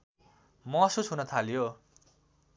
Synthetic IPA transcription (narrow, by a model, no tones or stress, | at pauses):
mʌsusɦunʌt̪ʰaljo